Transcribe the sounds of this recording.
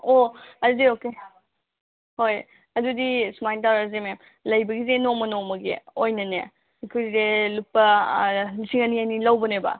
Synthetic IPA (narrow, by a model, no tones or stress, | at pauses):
oɐdudioke | hoj | ɐdudismajntawɾɐzemem | lɐjbɐɡizenomɐnomɐɡḛojnɐnḛ | kʰojzelupːɐ | lisiŋɐnianilɐwbɐnebɐ̰